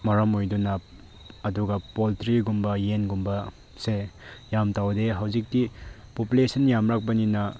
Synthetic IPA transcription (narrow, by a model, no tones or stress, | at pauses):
mɐɾɐmojdunɐː | duɡɐpoltɾiɡumbɐjenɡumbɐ | sejamtawdeɦɐwzik̚tipopulesʰɐnjamɾak̚bɐninɐ